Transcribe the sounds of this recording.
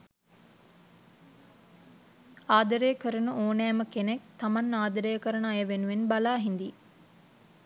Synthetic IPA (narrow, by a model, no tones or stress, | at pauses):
aːd̪əɾejəkəɾənəoːnæːməkenekt̪amanːaːd̪ɐɾəjəkəɾənəajəʋenuʋenbalaːɦind̪i